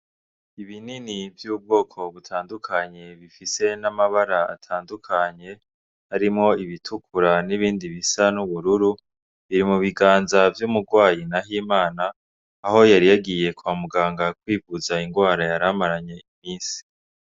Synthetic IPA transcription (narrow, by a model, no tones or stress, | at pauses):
iβininivjuːb̚ɡo̞ːkʰo̞βutʰaːndukʰaɲe̞βifise̞namaβaɾaa̰tʰaːndukʰaɲe̞ | haɾimŋo̞iβitʰukʰuɾaniβiːndiβisanuβuɾuɾu | βiɾimuβiɡaːnzavjumuɾɡwaːjinaɦiːmaːnaː | ho̞jaɾijaɡije̞kwamuɡaːŋɡakwiːvuzaiŋɡwaːɾajaɾamaɾaɲe̞imiːnsi̥